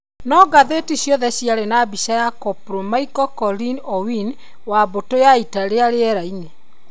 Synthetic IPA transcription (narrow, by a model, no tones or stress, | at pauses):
nɔɡaðetisjɔðɛsjaɾenabisajakɔpɾomaikɔkɔɾinɔwin | wabotojaitaɾeaɾeɛɾaine